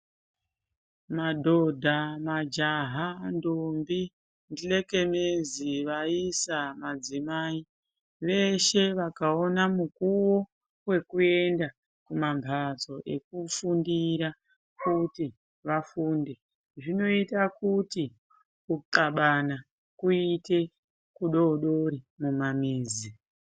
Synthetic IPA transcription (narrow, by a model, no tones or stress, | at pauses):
madʱo̞dʱamad͡ʒaɦandombi | ndile̞ke̞meziʋaisamad͡zimaːi | ʋe̞ʃe̞ʋakao̞namukuwo̞ | we̞kue̞nda | kumamvʱat͡so̞ʔe̞̰kufundiɾa | kuti | ʋafuːnde̞ | ʐino̞itakuti | ukaɓana | kuite̞ | kuɗo̞ɗo̞ɾi | mumamiːzi